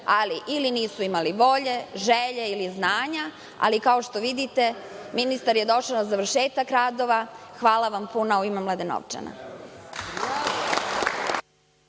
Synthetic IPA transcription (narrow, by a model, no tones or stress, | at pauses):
aliʔiliniːsuimaliʋo̞ʎe̞ʒeʎeiliznaːɲa | a̰likaoʃt̪o̞ʋid̪it̪e̞minist̪aɾje̞d̪o̞ʃanazaʋr̩ʃeːt̪akɾaːd̪o̞ʋa | xʋaːlaʋampunauimemlˠad̪eno̰ʋt͡ʃḛna̰